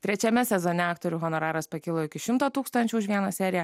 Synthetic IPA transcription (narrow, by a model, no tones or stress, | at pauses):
t̪ʲɾʲɛt͡ʃʲɛmʲɛsʲɛzoːnʲɛɑːkt̪oːɾʲuːɦɔnoːɾɑːɾɐspɐkʲɪlˠoːɪkʲɪʃʲɪmt̪oːt̪uːkst̪ɐnʲt͡ʃʲuːʊʃʲʋʲiɛnɐsʲæːɾʲɪjɛ